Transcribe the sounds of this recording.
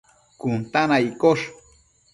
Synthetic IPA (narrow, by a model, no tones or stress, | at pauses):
kʊnt̪anajkoʃ